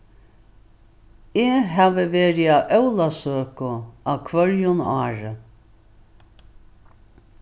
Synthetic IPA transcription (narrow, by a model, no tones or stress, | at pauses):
eːɦaːʋəʋeːɾiaʔœwlasøːkʊaːwkʰvœljʊnaːɾə